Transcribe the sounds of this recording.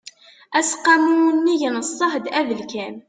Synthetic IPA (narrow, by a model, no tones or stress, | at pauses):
æsqːɑmuənːijənəsˤːɑħd̪æðəlkæn